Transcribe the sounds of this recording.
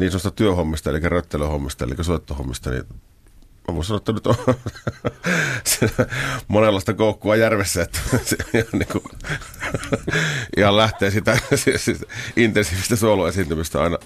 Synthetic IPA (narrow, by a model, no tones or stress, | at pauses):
niːsoˑst̪ɑt̪yøhomːist̪ɑḛlikːˑærøt̪ːeløhomːist̪ɑḛlikːˑæsoˑet̪ːoho̰mːist̪ɑnḭn | æʋoˑsɑnoet̪ːænyt̪o | s | monelːɑˑest̪ɑkoˑukːuɑjærʋesːæet̪ːæ̥seɑniŋku | ʔihɑllæht̪ˑeːsit̪æssʔint̪ensiːʋist̪æsoˑuluesint̪ymist̪æɑ̰ˑenɑ